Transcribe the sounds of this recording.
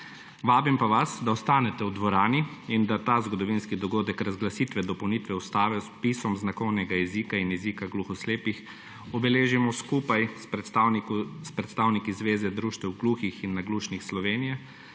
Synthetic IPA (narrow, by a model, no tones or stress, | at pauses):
ʋaːbimpaʋasd̪aɔst̪aːnɛt̪ɛwd̪ʋɔɾaːniind̪at̪azɡɔd̪ɔʋinskid̪ɔɡoːd̪ɛkɾazɡlasiːt̪ʋɛd̪ɔpɐwniːt̪ʋɛɔst̪aːʋɛɔspisɔmznakɔwnɛɡajɛziːkainjɛziːkaɡluxɔsleːpix | ɔbɛleːʒimɔskuːpaj | spɾɛt̪st̪aːwnikizʋeːzɛd̪ɾuːʃt̪ɛwɡluːxixinːaɡluːʃnixslɔʋeːnijɛ